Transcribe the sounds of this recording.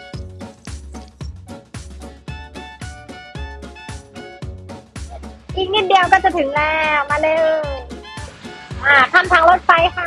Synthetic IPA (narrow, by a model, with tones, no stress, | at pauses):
ʔiː˨˩k̚ni˥t̪̚di˧əwkɔː˥˩t͡ɕa˨˩t̪ʰɯ˨˩˦ŋlɛː˧˩maː˧˥lɤː˧˥˩ | ʔaː˧˩t̪ʰa˧˩mt̪ʰaː˦˥ŋlo˦˥t̪̚fa˦˥jkʰa˧˩